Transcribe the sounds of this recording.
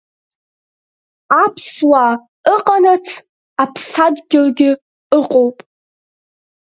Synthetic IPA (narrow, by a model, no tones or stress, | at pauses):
apʰswa | əqʼanat͡sʰ | apʰsadɡʲɪlɡʲɪ | əqʼowpʼ